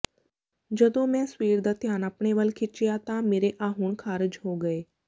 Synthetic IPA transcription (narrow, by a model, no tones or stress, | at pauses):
d͡ʒəd̪õːmɛ̃ːswiːɾd̪aːt̪ɪjaːnapɳeʋəlkʰɪt͡ʃɪjat̪ãːmeːɾeʔaːɦʊɳkʰaːɾɪd͡ʒɦoːɡəeː